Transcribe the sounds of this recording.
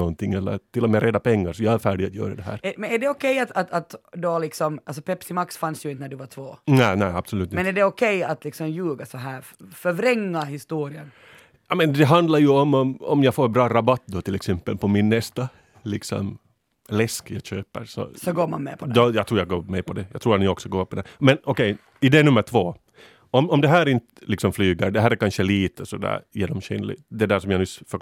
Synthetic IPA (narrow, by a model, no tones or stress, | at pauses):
ɔnt̪ʰɪŋːɛlːə̰ɾt̪ʰɪlːɔmɛːɾʔɛd̪ːapʰɛŋːaɾʂɔjɑːæɾfæːɖɪɡat̪jœ̰ːɾad̪ɛɦæ̰ːɾɛmɛnæɖɛɔkʰɛjat̪at̪at̪d̪ɔalɪksɔmʔals̬ɔpʰɛpsɪmaksfansjɵɪnt̪ənæɖʉvat̪ʰvoːnæɪnæɪab̥sɔlʉ̟ːt̪ɪmɛnæɖɛɔkʰɛjat̪lɪksɔmjʉːɡasɔɦæːɾ | fœɾvɾɛŋːahɪst̪uːɾɪən | jɑːmɛnd̪ɛɦand̪laɾjʉɔmːɔmɔmjɑɡfoːɾbɾɑːɾabat̪ːd̪ɔt̪ʰɪlɛksɛmpːəlpʰɔmɪnːɛst̪a | lɪksɔ̰m | lɛskjɑɡɕøːpə̰ɾsɔ̰sɔɡoːma̰nmɛ̰pʰɔd̪d̪ɔjɑɡt̪ɾuːjaɡo̰ːmɛpʰɔd̪ɛjɑ̰ːɡt̪ʰɾuːɾat̪nɪɔksɔɡoːpɔd̪ɛmɛnɔkɛj | ɪd̪ɛnʉmːəʈʰvoː | ɔmɔmd̪ɛɦæːɾɪnt̪əlɪksɔmflyːɡəɾɖɛɦæːɾæɾkanʃəliːt̪əsɔd̪æ̰ːɾjḛːɖɔmɕɛ̰nlɪ̰t̪d̪ɛd̪æːʂɔmjanʉːfœ